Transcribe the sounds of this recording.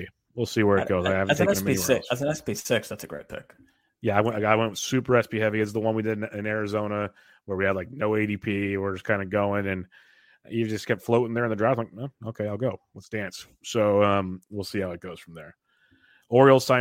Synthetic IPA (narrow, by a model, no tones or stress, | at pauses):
wilˠsiwə˞ɨt̚ɡ̥oʊzaɪævtʰeɛnəmɛiniɪkɨz̃nɛspisɪksðætsɨɡɹeɪt̚pʰɪ̰k | jæaɪwɪaɪwɛ̃ntwɨ̥sʉpə˞ɛspihɛviɨtsðəwʌ̃nwidɨɾnɪ̃nɛɹɨzõʊ̃nə | wə˞wiɨvlaɪk̚noʊeɪɾipʰiwə˞z̥kʰãɪ̃ndɨɡoʊɪ̃ŋɨ̃n | jɨvd͡ʒʌskʰɛp̚tfloʊɾɪ̃ŋðə˞ɨ̃nðɨdɹaɪ̃mlaɪk̚ʌoʊkʰeɪaɪlˠɡoʊwʌsd̥æ̃ns | soʊʌ̃mwilˠsihaʊɨt̚ɡ̥oʊz̥fɹʌ̃mðə˞ | ɔɹil̩ˠsãɪ̃